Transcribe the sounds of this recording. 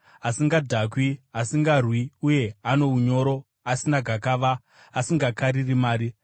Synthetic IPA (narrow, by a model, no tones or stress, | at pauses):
asiŋɡadʱak̬wiasiŋɡarwiuje̞ano̞uɲo̞ɾo̞ | asinaɡʱakaʋaː | siŋɡakaɾirimaːɾi